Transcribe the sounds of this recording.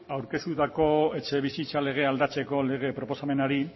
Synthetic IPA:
awɾke̞st̪ut̪ako̞e̞t͡ʃe̞βisit͡sale̞ɣ̞e̞ald̪at͡se̞ko̞le̞ɣ̞e̞pɾo̞po̞same̞naɾi

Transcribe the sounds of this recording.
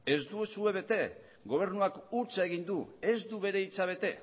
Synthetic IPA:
e̞zd̪usue̞βe̞t̪e̞ | ɡo̞β̞e̞ɾnuakuɾt͡ʃaeɣ̞ind̪ue̞zd̪uβe̞ɾe̞it͡saβ̞e̞t̪e̞

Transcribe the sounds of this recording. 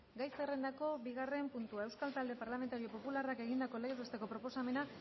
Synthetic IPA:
ɡajsere̞nd̪ako̞biɣare̞mpunt̪uae̞wskalt̪ald̪e̞paɾlame̞nt̪aɾio̞po̞pularake̞ɣind̪ako̞leɣeest̪e̞ko̞pɾo̞po̞same̞na

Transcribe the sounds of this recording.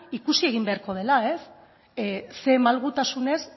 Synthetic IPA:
ikusie̞ɣ̞imbe̞aɾko̞ð̞e̞lae̞s | se̞malɣut̪asune̞s

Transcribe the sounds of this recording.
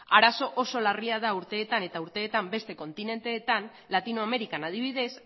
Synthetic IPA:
aɾaso̞ʔoso̞lariað̞auɾt̪e̞ːt̪ane̞t̪auɾt̪e̞ːt̪ambe̞st̪e̞ko̞nt̪ine̞nt̪e̞ːt̪an | lat̪inoame̞ɾikanað̞iβ̞iðe̞s

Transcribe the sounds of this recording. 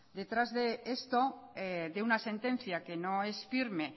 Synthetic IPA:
d̪e̞t̪ɾazðe̞est̪o̞eðeunase̞nt̪ẽ̞n̟θjake̞no̞e̞sfiɾme̞

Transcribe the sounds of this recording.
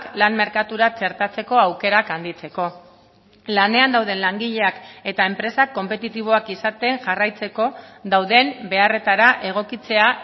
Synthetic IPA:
klanme̞ɾkat̪uɾat͡ʃe̞ɾt̪at͡se̞ko̞awke̞ɾakand̪it͡se̞ko̞ | lane̞and̪awð̞e̞nlaŋɡiʎe̞ake̞t̪ae̞mpɾe̞sakːo̞mpe̞t̪it̪iβ̞o̞akisat̪e̞ŋʝarajt͡se̞ko̞ðd̪awðe̞mbe̞are̞t̪aɾaʔe̞ɣ̞o̞kit͡se̞a

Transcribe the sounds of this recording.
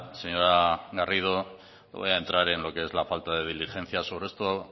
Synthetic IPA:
seɲo̞ɾaɣarið̞o̞ | βo̰jaent̪ɾaɾe̞nlo̞keezlafalt̪að̞e̞ð̞ilixe̞n̟θjaso̞βɾeest̪o

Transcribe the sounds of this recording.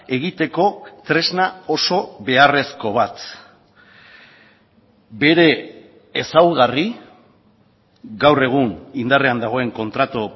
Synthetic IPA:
e̞ɣit̪e̞ko̞t̪ɾe̞znao̞so̞βe̞are̞sko̞β̞at̪ | be̞ɾe̞ː | sawɣari | ɡawre̞ɣ̞unind̪are̞and̪aɣ̞o̞e̞ŋko̞nt̪ɾat̪o

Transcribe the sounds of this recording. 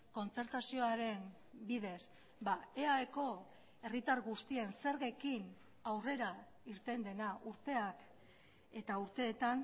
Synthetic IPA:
ko̞nt͡se̞ɾt̪asio̞aɾe̞n | biðe̞s | bae̞aeko̞ | e̞rit̪aɾɣust̪ie̞nse̞ɾɣekin | awre̞ɾa | iɾt̪e̞nd̪e̞naʔuɾt̪e̞ak | e̞t̪auɾt̪e̞ːt̪an

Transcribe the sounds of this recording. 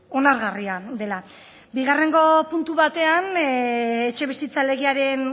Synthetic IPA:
o̞naɾɣariad̪e̞la | biɣ̞are̞ŋɡo̞punt̪uβat̪e̞an | et͡ʃe̞βisit͡sale̞ɣ̞iaɾe̞n

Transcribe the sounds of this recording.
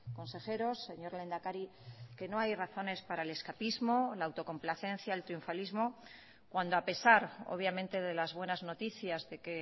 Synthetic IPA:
ko̞nse̞xe̞ɾo̞sːe̞ɲo̞ɾle̞nd̪akaɾike̞no̞ajraθo̞ne̞spaɾaele̞skapizmo̞laːwt̪o̞ko̞mplaθe̞nθjaelt̪ɾiuɱfalizmo̞ | kwand̪oape̞saɾo̞̰β̞jamẽnt̪e̞ðe̞lazβwe̞nazno̞t̪iθjazðe̞ke̞

